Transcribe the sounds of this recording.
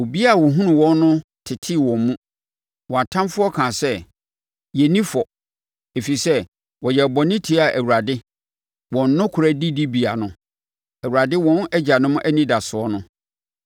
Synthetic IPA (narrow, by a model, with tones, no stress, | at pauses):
o˨bi˦a˦˨wɔ˨ɦũ˦nʊ̃˨wɔ̃˦nːʊ̃˦ | tʰɪ˨tʰɪ˦˨wɔ̃˨m˦mũ˦ | wɔ˨a˨tʰã˦mfʊ˦ɔ˦kʰãː˨sɛ˦ | jɛ˨nĩ˦fɔ˨ | e˨fi˨sɛ˦ | wɔ˨jɛ˨bɔ˨nɪ̃˦tʰi˨˦a˨ʔæ˨wu˨ɾa˨dɪ˦ | wɔ̃˨n˦nʊ̃˦kʰʊ˨ɾæ˦di˦di˦bi˨a˨nʊ̃˦ | ɛ˨u˨ɾa˨dɪ˦wɔ̃˦nɛ˦d͡ʑa˨nʊ̃˦mʊ̃˦ʔæ˦nĩ˦da˨sʊ˨ɔ˦nʊ̃˦